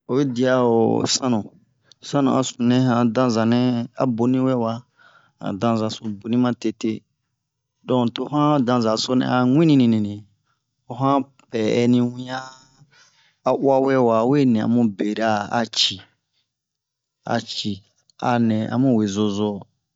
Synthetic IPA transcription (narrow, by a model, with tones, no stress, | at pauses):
o˨we˦di˨a˨o̰˨sã˦nũ˨ | sã˦nṵ̃˨a̰˨sũ˨nɛ̃˦ɦã˦dã˦za˨nɛ̃˦a̰˨bo˨˦nĩ˦wɛ˦wa˨ | a̰˨dã˨zã˨so˦bu˨nĩ˦mã˦te˦te˦ | dɔ̃˦˨to˨˦ɦã˦dã˨za˨so˦nɛ̰̃˨a˨ŋʷ˦ĩ˦nĩ˦nĩ˨nĩ˨nĩ˨ | o˨ɦã˦ | pɛ˨ɛ̰˨nĩ˧wĩ˦a˦˨ | ʔwa˦wɛ˦wa˨˦we˦nɛ̃˨a̰˨mũ˦be˨ɾa˦a˨t͡ʃi˨ | a̰˨t͡ʃi˨ | a̰˨nɛ̃˨a̰˨mũ˦we˨zo˨zo˦